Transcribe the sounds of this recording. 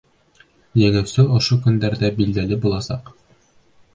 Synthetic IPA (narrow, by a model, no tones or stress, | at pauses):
jɘ̆ŋæwsɘŏʃokɵ̆nd̪æɾdæbild̪ælɘbulˠɑsɑq